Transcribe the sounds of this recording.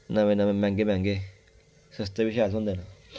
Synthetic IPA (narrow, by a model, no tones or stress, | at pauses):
nãβenãβemɛ̃ŋɡemɛ̃ŋɡe | səst̪eβiʃasũnd̪enã